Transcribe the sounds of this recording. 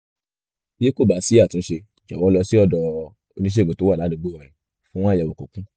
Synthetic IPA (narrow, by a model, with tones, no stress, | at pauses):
je˦ko˦˨ba˨˦si˨˦a˦˨tũ˨˦ʃe˧˨d͡ʒa˨wɔ˨˦lɔ˧si˦ɔ˦˨dɔ˨˧ | o˧nĩ˦ʃ̬e˦˨ɡ͡bõ˨to˨˦wa˦˨la˨˦u˧˦ɡ͡bo˦ɔ˨ĩ˨ | fũ˦wɔ̃˦jɛ˨wo˨ko˨kũ˦